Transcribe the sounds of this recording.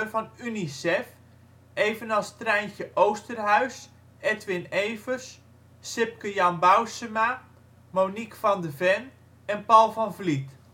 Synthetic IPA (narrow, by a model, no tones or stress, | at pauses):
rvɑnynisɛf | ejvənɑlˠstrɛjnçəʔowstərɦœɥs | ɛtʋɪnejvərs | sɪp̚kəjɑnbawsəma | mownikfɑndəvɛn | ɛnpɔlˠfɑnvlit